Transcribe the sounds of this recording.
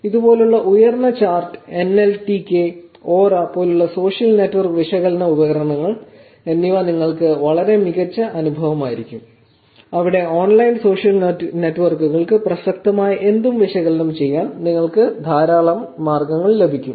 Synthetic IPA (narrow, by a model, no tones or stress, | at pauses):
iðupo̞ːluɭːɐʔujɐrnɐt͡ɕaːrʈɨ̥e̞nelʈikʲːeoːraːpːo̞ːluɭːɐso̞ːʂjɐlneʈːʋɐrkʋiʂɐɣɐlnɐubɐɣɐɾɐɐɳɐŋːɐɭ | enːiʋaniŋːɐɭkɨʋɐɭɐɾe̞miɣɐt͡ɕːɐʔɐnubʱɐʋɐmaːjiɾikʲːum | ɐʋiɽe̞oːnlɐjnso̞ːʂjɐlnneʈːʋɐrkuɣɐɭkɨprɐsɐkt̪ɐmaːjɐʔe̞nd̪umʋiʂɐɣɐlɐnɐmt͡ɕe̞jːaːnniŋːɐɭkɨd̪ʱaːɾaːɭɐmːaːrɡɐŋːɐɭle̞bʱikʲːum